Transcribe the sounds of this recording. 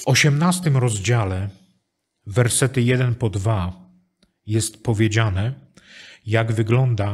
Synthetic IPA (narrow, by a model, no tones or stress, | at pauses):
vɔɕɛmnast̪ɘmɾɔzd͡ʑalɛ | vɛɾsɛt̪ɘjɛd̪ɛnpɔd̪va | jɛst̪pɔvʲjed͡ʑanɛ | jaɡvɘɡlɔnd̪a